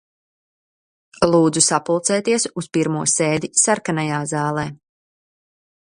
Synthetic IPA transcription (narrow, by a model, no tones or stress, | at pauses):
lˠuːd̪zusapulˠt̪sɛːt̪iɛsuspiɾmuɔseːd̪isaɾkanajaːzaːlˠɛː